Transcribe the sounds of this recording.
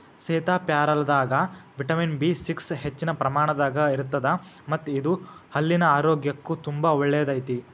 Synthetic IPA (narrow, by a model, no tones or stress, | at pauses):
sɛːt̪aːpjaːɾɐlɐd̪aːɡɐʋiʈɐminbisiksɦet͡ʃːinɐpɾɐmaːɳɐd̪aːɡɐiɾut̪ːɐd̪ɐ | mɐt̪ːid̪uhɐlːinɐaːɾoːɡjɐkːut̪umbaɔɭːɛjɐd̪ɐjt̪i